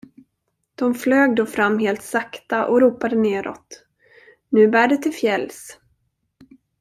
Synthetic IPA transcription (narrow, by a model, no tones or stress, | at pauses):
d̪̥ɔmfløːɡ̚d̪oːfɾamːɦeːlt̪sakt̪aʔɔɾuːpad̪əneːɾɔ̰t̪ | nʉ̟ːbæːɖɛt̪ʰɪlfjɛls